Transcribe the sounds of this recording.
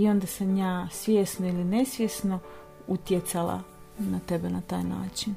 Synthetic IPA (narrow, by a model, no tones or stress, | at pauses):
io̞nd̪asamjaːsʋʲjeːsnoiline̞sʋjesno | ut̪jet̪salˠa̰ | nat̪e̞benat̪a̰ːjna̰ːt͡ʃin